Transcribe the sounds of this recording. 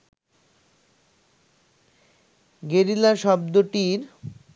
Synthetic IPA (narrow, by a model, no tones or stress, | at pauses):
ɡeɾilaʃɔb̚d̪oʈiɾ